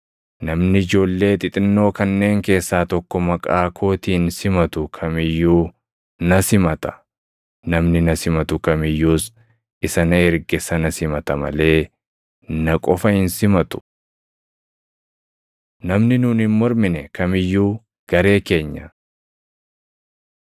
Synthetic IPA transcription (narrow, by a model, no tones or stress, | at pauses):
nɐmnɪɪd͡ʒo̞ːlːe̞ːt̪ʼɪt̪ʼɪnːo̞ːkɐnːe̞ːŋke̞ːsːaːt̪ɔkːɔmɐkʼaːkʰo̞ːt̪iːnsɪmɐt̪ʊkʰɐmɪjːuː | nɐsɪmɐt̪ɐ̥ | nɐmnɪnɐsɪmɐt̪ʊkɐmɪjːuːs | ʔɪsɐnɐɛɾɡɛsɐnɐsɪmɐt̪ɐmɐ̰le̞ː | nɐkʼɔfɐhɪnsɪmɐt̪ʊ̥ | nɐmnɪnuːnhɪmːɔɾmɪnɛkɐmɪjːuː | ɡ̥ɐɾe̞ːke̞ːɲːɐ